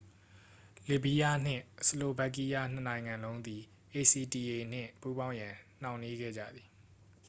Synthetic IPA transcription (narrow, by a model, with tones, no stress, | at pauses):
li˨bi˦ja˦n̥ɪ̰̃˦˨səlo˨ba˦˨k̬i˦˨ja˦˨n̥ə˨nã˨ɪ̃ŋã˨nlõ˦ʊ̃nd̪i˨ | ʔe˨si˨ti˨ʔe˨n̥ɪ̰̃˦˨pu˦bã˦ʊ̃jã˨n̥ã˨ʊ̃ni˦ɡɛ̰˦˨d͡ʑä̰˦˨d̪i˨